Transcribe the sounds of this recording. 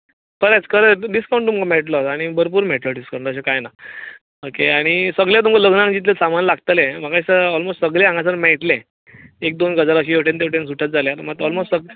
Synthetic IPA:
kəɾat͡skəɾeɖiskaw̃ɳʈ̪ːumkameɭʈlətaɽ̃ibəɾp̬uːɾmeʈləɖiskəɾnd̪əɕ̬ekajna | okeaɽ̃isəɡljat̪̬umkaləɡnãŋd͡ʑit̪̬lesamanlaɡ̚t̪əlẽm̤akaisəɔlmostʈsəɡleãŋɡasəɾmɛɭʈlẽ | ek̚d̪onɡəd͡zaɾəɕ̬iewʈʰent̪eʈens̬uʈʰjat̪̚d͡zaljat̪maɡt̪ɔlmostsə

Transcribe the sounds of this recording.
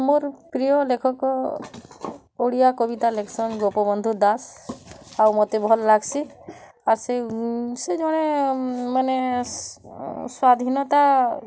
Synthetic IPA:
moɾpɾijɔlekʰɔkɔ | oɽijakɔbit̪alekʰsɔnɡopɔbɔnd̪ʱud̪as | awmɔt̪ebʱɔlːaɡsʰi | aɾsesed͡ʒɔɽ̃emane | swad̪ʱinɔt̪a

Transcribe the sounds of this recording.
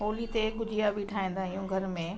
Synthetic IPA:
ɦoːlit̪eɡʊd͡ʑʱijabʱiʈʰaːĩːn̆d̪aːɦɪjũɡʱɐɾmẽ

